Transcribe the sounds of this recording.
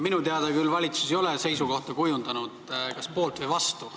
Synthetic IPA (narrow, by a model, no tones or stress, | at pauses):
minut̪eɑd̪ekylːvɑlʲit̪su̥sejo̞lese̞jsuko̞ht̪ɑkujund̪ɑnud̪̥kɑspo̞ːlt̪vɤjvɑst̪u